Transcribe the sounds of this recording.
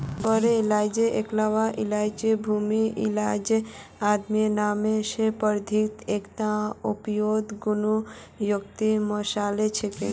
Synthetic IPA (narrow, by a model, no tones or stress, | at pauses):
bəɾeilaːd͡ʒeʔeklaʋaʔilaːjd͡ʒebʱumiʔilaːd͡ʒead̪mijenaːmeʃepəɾd̪ʱit̪ekt̪ãupjoːd̪ɡunu | jokt̪imɔʃaːlet͡ʃʰeke